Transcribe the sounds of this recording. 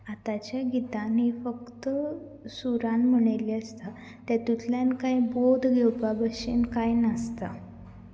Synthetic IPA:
at̪at͡ɕjaɡit̪anɦifəkt̪ə | suɾanm̤əɳ̃eliəst̪a | t̪jat̪ut̪ljankajbod̪ʱɡʱewpabəɕinkajnast̪a

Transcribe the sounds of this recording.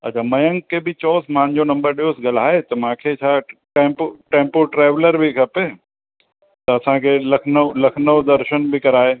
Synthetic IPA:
ɐ̰t͡ɕʰaːmɐjə̃ŋkebɪt͡ɕɔːsmãɲd͡ʑonɐ̃mbəɾɗijosɡɐlaːɦet̪ɐmãːkʰet͡ɕʰaːʈẽːmpʈẽːmpoʈɾaːʋləɾbʱikʰɐpe | t̪ɐɐsãkʰelɐkʰnəlɐkʰnəʋd̪ɐɾʃənbʱikɐɾaːɦeː

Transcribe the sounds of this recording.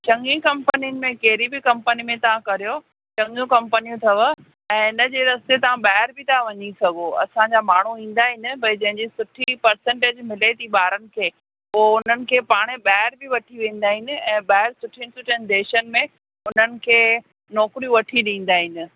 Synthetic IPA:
t͡ɕɐ̃ŋɡĩkɐ̃mpənijənɪ̆mẽkeɦɾibɪkɐ̃mpənimẽt̪ɐʋ̤ãkɐɾijo | t͡ɕɐ̃ŋɡjũkɐ̃mpənijũt̪ʰɐʋə | ɛ̃ːɪnə̆d͡ʑeːɾɐst̪et̪ɐʋ̤ãɓaːɦɪɾbɪt̪ʰaʋɐɲisɐɡʱoɐ̰sãd͡ʑamaːɳ̤uĩːn̆d̪aːɦɪnɪ̆bɐɪd͡ʑɐ̃ɦɪ̃ɲd͡ʑisʊʈʰipɐɾsə̃ɳʈeːd͡ʑmɪlet̪ʰiɓaːɾənɪ̆kʰeː | oʊn̤ənɪ̆kʰeːpaːɽ̃eɓaːɦɪɾbʱɪʋɐʈʰiʋẽːn̆d̪aːɦɪnɪ̆ɛ̃ːɓaːɦɪɾsʊʈʰiinɪ̆sʊʈʰənɪ̆d̪eːʃənɪ̆mẽ | ʊn̤ənɪ̆kʰeː | nɔːkɾiũʋɐʈʰiɗĩːn̆d̪aːɦɪnɪ̆

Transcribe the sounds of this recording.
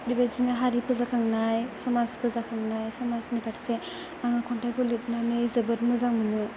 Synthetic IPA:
dibad͡ʒinaɦaɾipʰɯzakʰaŋnajsɔmaspʰɯzakʰaŋnajsɔmasnikaɾse | aŋɯkʰɔntajkʰɔlit̚nanɯjzɯbɯɾmɯzaŋmɯnɯ

